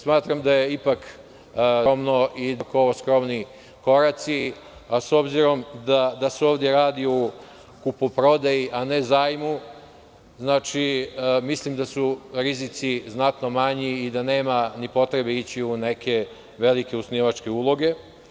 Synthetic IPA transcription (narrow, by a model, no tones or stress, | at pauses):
smaːt̪ɾamd̪aje̞ipak | omnoʔid̪akooskɾo̞mni | ko̞ɾat̪si | aso̞bziɾo̞md̪ad̪aseoːʋd̪je̞ɾaːd̪iu | kupopɾo̞d̪ajiʔanezaːjmu | znaːt͡ʃimislimd̪asuɾizit̪siznat̪no̞maɲiːd̪aneːmanipo̞t̪ɾe̞beit͡ɕiune̞ke̞ | ʋe̞like̞usniʋat͡ʃke̞uːlˠo̞ɡe̞